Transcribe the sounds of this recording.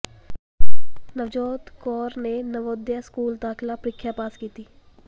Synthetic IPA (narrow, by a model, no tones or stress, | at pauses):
nəʋd͡ʒɔːt̪kɔːɾnenəʋoːd̪jaskuːld̪aːxlapɾɪkʰjapaːskiːt̪iː